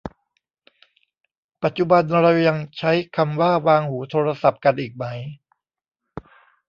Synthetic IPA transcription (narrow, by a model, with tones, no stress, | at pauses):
pa˨˩t̪̚t͡ɕu˨˩ba˧nɾa˧wja˧ŋt͡ɕʰa˦˥jkʰa˧mwaː˥˩waː˧ŋhuː˩˦t̪ʰoː˧ɾa˧sa˨˩p̚ka˧nʔiː˨˩k̚ma˦˥j